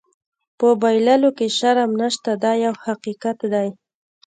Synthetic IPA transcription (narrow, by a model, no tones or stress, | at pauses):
pəbajlalokeʃaɾamnaʃt̪ad̪ɑjawhaqiqat̪d̪aj